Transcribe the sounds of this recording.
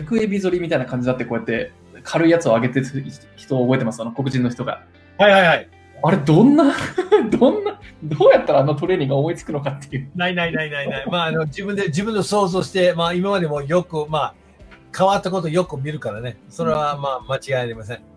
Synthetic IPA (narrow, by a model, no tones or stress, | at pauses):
kɯ̟ebʲizo̞ɾʲimʲit̪ainakãɲ̟d͡ʑid̪at̪ːeko̞jat̪ːe̞ | kʰaɾɯ̟ijat͡sɨo̞aɡe̞t̪e | çi̥t̪o̞ːbo̞e̞t̪emasɨ̥jonako̞k̬ɯ̟ʑĩnːo̞çi̥t̪o̞ɡa̰ | haihaihai | aɾe̞d̪õ̞nːad̪õnːad̪oːjat̪ːaɾaːnot̪o̞ɾe̞ːɲ̟ĩŋɡaomo̞it͡sɨ̥kɯ̟no̞kat̪ːejɯnainainainaiaimaːno̞d͡ʑibɯ̃nd̪e̞d͡ʑibɯ̟̃nd̪eso̞ːzo̞ːɕi̥t̪e̞maːimamad̪e̞mo̞jo̞kɯ̟maː | kʰaβat̪ːako̞t̪o̞jo̞kɯ̟mʲiɾɯ̟kaɾane̞so̞ɾe̞βamaːmat͡ɕiɡainaɾʲimas̬ẽ̞ŋ